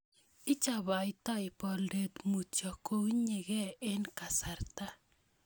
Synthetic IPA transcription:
ɪ˦t͡ʃa˨ba˨ɪ˦tɔ˦ɪ˨pɔ˨lde˨t̪mu˨t͡ʃɔ˨ko˦i˦ɲe˨ɣɛ˦e˦nka˨sa˨rta˦

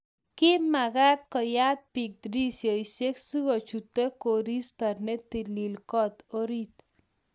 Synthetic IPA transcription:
kɪ˦ma˨ɡa˦t̪̚kɔ˨ja˦t̪̚pi˨k̚d̪ɾi˦sjo˨i˨se˦ksu˦ɡo˨t͡ʃu˨t̪ːe˦ko˨ɾi˦st̪ɔ˨rnɛ˦t̪i˨li˨lkɔ˦t̪o˦ɾi˦t̪

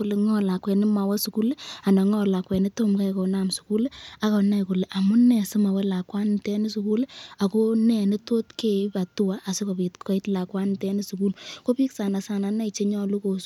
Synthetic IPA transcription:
le˨ŋɔ˦la˨kwɛ˨nɪ˦ma˨wɛ˦su˨ku˦le˦a˨nɔ˨ŋɔ˦la˨kwɛ˨ni˦to˦mka˦jko˨na˦˨msu̥˨ku˦le˦a˨˦kɔ˨na˦jku˨le˨ʔa˨mʊ˦nɛ˨sɪ˦ma˨wɛ˦la˨kwa˦ntɛ˦ni˦su˨ku˦la˨ko˦nɛ˨nɪ˦to˦tke˨˦pa˨tu˦wa˦ʔːsɪ˦ko˨pi˨tʰɔ˨i˦tla˨kwa˦ntɛ˦ni˦su˨ku˦lko˦pi˦ksa˨na˨sa˨na˨na˦i˨t͡ʃe˦ɲɔ˦lu˦ko˨

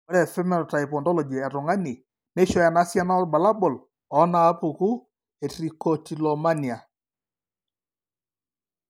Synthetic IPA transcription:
ɔ˦ɾɛ˨fɛ˦mɛ˦˨ɾɔ˨ta˨i˨pɔ˨ndɔ˦lɔ˨d͡ʒi˨ɛ˨ɾʊ˨ŋa˦ni˨ | ne˦ʃɔ˦ja˨na˦sja˦na˦ɔ˦ba˨la˦bɔ˨l | ɔ˨˦naː˨˦pʊ˨ku˦ | e˨tɾi˨kɔ˨ti˨lɔ˨ma˦ni˨a˨

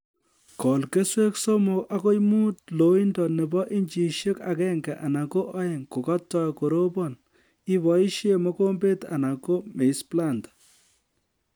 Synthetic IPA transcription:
kɔ˨lke˦swe˦kso˦mo˨ʔa˦ko˦jmu˦tlo˨˦i˦ndɔ˨nɛ˨bɔ˦ʔi˦nd͡ʒi˨ʃe˦ka˨kɛ˦ŋɡa˨ʔa˨na˨ko˦ʔɔ˦e˨ŋko˨kɔ˦tːɔ˦jko˨ɾo˦bɔ˦˨n | ɪ˦βɔ˨i˦ʃe˦mɔ˦ko˦mbe˦ta̰˨na˨ko˦me˨i˦spla˦˨ntḁ˨

